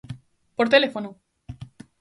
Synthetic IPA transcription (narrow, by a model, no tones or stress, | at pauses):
poɾt̪elefono